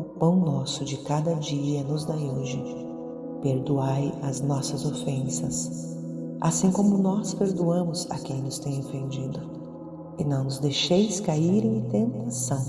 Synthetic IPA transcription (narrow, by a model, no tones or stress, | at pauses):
ʊpɐ̃w̃nɔsʊd͡ʒɪkad̪ɐd͡ʒiɐnʊzd̪ajoʒɪ | peɾd̪uajɐznɔsɐzofẽsɐs | asĩkõmʊnɔspeɾd̪uɐ̃mʊza̰kẽj̃nʊst̪ẽj̃ofẽnd͡ʒid̪ʊ | ɪnɐ̃w̃nʊzd̪ejʃejskaiɾẽj̃t̪ẽnt̪asɐ̃w̃